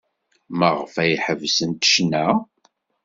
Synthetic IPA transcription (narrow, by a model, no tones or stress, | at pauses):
məʁfæjħəvsənt̪ə̥ʃnæ